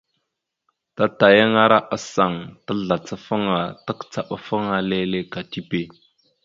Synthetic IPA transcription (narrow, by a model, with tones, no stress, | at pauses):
ta˦ta˨ja˦ŋa˦ɾa˦ʔa˦sa˨ŋtə˦ɮa˨t͡sə˦fə˦ŋa˨tə˦kt͡sa˨ɓa˨fə˦ŋa˦le˦le˦ka˨ti˦pe˦